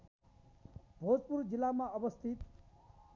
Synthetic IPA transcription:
bʱod͡zpuɾd͡zilamaʔʌbʌst̪ʰit̪

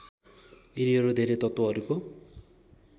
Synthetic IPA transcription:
iɾiʌɾud̪ʱeɾet̪ʌt̪woɦʌɾuko

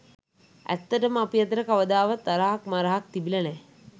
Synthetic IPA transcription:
æ̰t̪ːəʈəməapijɐt̪əɾəkaʋəd̪aːʋat̪ːaɾaɦakmaɾaɦak̚t̪ibilɐnɛ

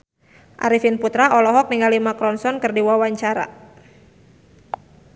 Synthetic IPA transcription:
ʔa̰ɾifinput̪ɾaʔɔlɔɦɔk̚niŋalimakɾɔnsɔnkɨrdiwawaɲt͡ʃaɾa̰

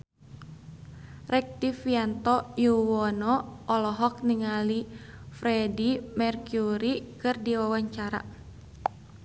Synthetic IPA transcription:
rɛk̚difiant̪ɔjuwɔnɔːlɔɦɔk̚niŋali | fɾɛdimɛrkuɾikɨrdiwawaɲt͡ʃaɾa̰

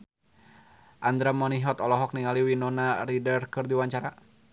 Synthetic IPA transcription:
ʔand̪ɾamɔniɦɔt̪ɔlɔɦɔk̚niŋaliwinɔnaridərkɨrdiwaɲt͡ʃaɾa

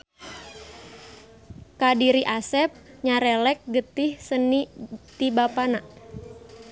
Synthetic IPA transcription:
kadiɾiʔasɛp̚ɲaɾɛlɛk̚ɡət̪ɪhsənit̪ibapana

